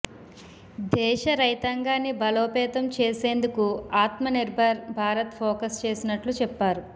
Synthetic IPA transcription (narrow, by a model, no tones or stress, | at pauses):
d̪ɛːʃɐɾɐjt̪ɐŋɡaːnːibɐloːpɛːt̪ɐmt͡ʃe̞ːse̞ːnd̪ukuaːt̪mɐniɾbʱɐɾbʱaːɾɐt̪pʰoːkɐst͡ʃe̞ːsinɐʈlut͡ʃɛpːaːɾu